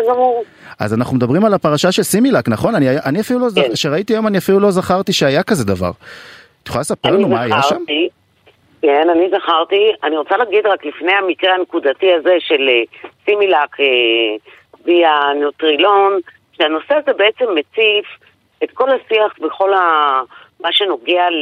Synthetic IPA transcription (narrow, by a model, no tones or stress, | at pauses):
azamuʁ | a̰zanaχnumd̪abʁimalapaʁaʃaʃe̞lsimilaknaχo̞naniajʔaniafilulozʃeʁait̪iajo̞maniafilulozaχaʁt̪iʃeajakaze̞d̪ava̰ʁ | t̪joalesapelananumajaʃʁami | kenanizaχaʁt̪ianiʁot͡salaːɡid̪ʁaklifne̞jamikʁeanekud̪at̪iaze̞ʃe̞lesimilake | bianot̪ʁilo̞n | ʃeano̞se̞azebeet͡se̞mːet͡sif | et̪ko̞lhasiaχveχo̞la | maʃe̞no̞ɡe̞a